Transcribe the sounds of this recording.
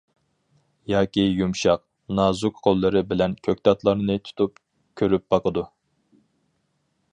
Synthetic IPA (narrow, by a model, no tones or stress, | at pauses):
jɑːkʲijumʃɑq̚ | nɑːzukqʰolˠːɨɾɨbɪlɛnkʲʰøk̚ʲt̪ɑt̪lˠɑɾnɨt̪ʰu̥t̪ʰup̚ | kʲʰøɾyp̚b̥ɑqəd̪u